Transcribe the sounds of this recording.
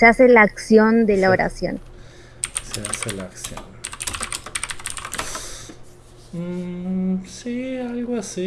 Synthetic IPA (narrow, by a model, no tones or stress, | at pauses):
seaselaaksjo̞nd̪e̞laoɾa̰sjo̞̰n | seaselaːksjo̰n | sialɣoasi